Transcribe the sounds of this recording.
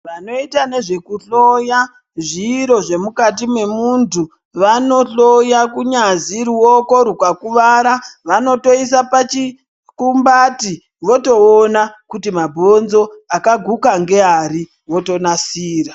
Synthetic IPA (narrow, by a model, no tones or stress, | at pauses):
ʋano̞itane̞ʐe̞kuɬoja | ʐiɾo̞ʐe̞mukatimwe̞muntu | ʋano̞ɬo̞jakuɲaziɾuoko̞ɾukakuʋaɾaʋano̞to̞is̬apat͡ʃi | kumbati | ʋo̞to̞ːnakutimabʱo̞nzo̞akaɡʱukaŋɡe̞aɾi | ʋo̞to̞nasiːra